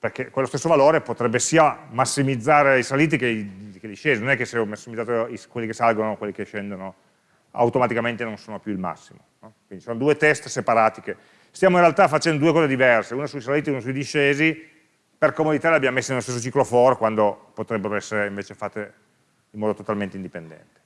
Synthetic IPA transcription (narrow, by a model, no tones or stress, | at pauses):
perkekːwelost̪esːovaloːɾepot̪ɾɛbːesiːamasːimid̪zːaːɾeisaliːt̪̬ikeiked̪iʃeːzinonɛkːeseɔmasːimid̪aːt̪oiskwelːikesalɡonokwelːikeʃːend̪ono | a̰wt̪omat̪ikament̪enonsoːnopjuilma̰sːimonɔkwind̪isoːnod̪uːet̪ɛst̪sepaɾaːt̪ike | st̪jaːmoinrɾealt̪afat͡ʃɛnd̪od̪uekɔːzed̪ivɛrseuːnasuisaliːt̪iunasuid̪iʃeːzi | perkomod̪it̪aɾleabjammesːinelost̪esːot͡ʃiklofɔrkwand̪opot̪ɾɛbːeɾoɛsːeɾeiɱveːt͡ʃefat̪ːe | imːɔːd̪ot̪ot̪alment̪eind̪ipend̪ɛ̰nt̪e̥